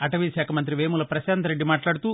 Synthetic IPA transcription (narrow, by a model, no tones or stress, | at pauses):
ɐʈɐʋiʃɛːkʰɐmɐnt̪̬ɾiʋeːmulɐpɾɐʃaːnt̪ɐɾeɖːimaːʈlaːɽut̪uː